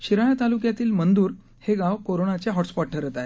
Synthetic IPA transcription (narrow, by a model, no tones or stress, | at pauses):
ɕiɾajat̪alukjat̪iːlmənd̪uːɾ | heɡaʋkoɾonat͡ɕeɦɔʈspɔʈ̚ʈʰəɾət̪aje